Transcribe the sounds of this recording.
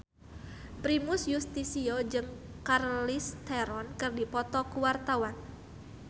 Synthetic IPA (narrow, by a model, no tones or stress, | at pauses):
pɾimʊsjust̪isiod͡ʒɨŋ | karlist̪eɾɔnkɨrdipɔt̪ɔkuwart̪awan